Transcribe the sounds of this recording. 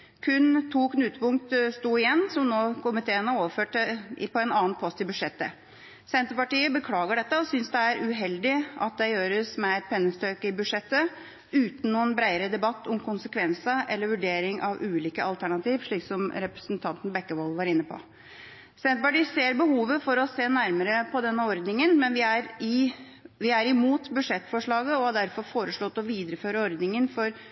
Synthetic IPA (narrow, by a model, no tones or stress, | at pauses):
kʰʉnt̪ʰuːknʉːt̪əpʊŋk̚t̪st̪uːɪjɛnːsɔmnoːkʰʊmɪt̪ʰeːənəoːʋəføːʈəpʰɔɛnɑːnpʰɔst̪ɪbʉd̪ʂɛt̪ːə̰ | sɛnt̪əpɑʈiːəbəkʰlɑːɡəɖɛt̪ːəɔsʏnsd̪ɛæɾʉɦɛld̪ɪʔɑ̰t̪̚d̪ɛjøːɾəsmɛɛt̪̚pʰɛnːəst̪øːkəɪbʉd̪ʂɛt̪ːə | ʉːt̪n̩nuːənbɾæɪəɾəd̪ɛbɑt̪ːɔmkʰʊnsəkʰʋɛnsəʔɛlːəɾʋʉɖeːɾɪŋʔɑʋʉːliːkəɑlt̪ʰæɳɑt̪iːʋʂɭiːksɔmɾɛpɾəsnt̪ʰɑnt̪n̩bɛkːəʋɔlʋɑɾɪnːəpʰɔ̰ | sɛnt̪̚bɑʈiseːɾbəhuːʋəfɔɾɔseːnæɾməɾəpʰɔd̪ɛnːəɔɾd̪nɪŋənmɛnʋɪæɾɪ | ʋɪæɾɪmuːt̪bʉʂɛt̪ːfɔʂɭɑːɡəɔhɑd̪æɾfɔɾfoːɾəʂɭɔt̪ːɔʋiːd̪ɾəføːɾəɔɾd̪nɪŋənfɔɾ